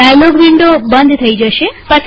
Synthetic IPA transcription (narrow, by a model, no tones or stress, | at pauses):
anoɡʋiɳɖobənd̪ʱt̪ʰəid͡ʒəʃepət͡ʃʰ